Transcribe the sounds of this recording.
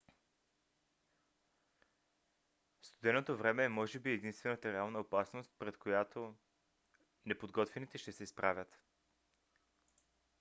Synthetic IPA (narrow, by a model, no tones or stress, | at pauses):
fst̪od̪ɛnot̪ovɾɛmɛːmɔʒɛbiɛd̪inst̪vɛnət̪əɾɛalˠnəopasnost̪̚pɾɛt̪kojat̪ʰo | nɛpod̪ɡɔt̪vɛnit̪ɛʃt̪ɛsɛispɾavʲət̪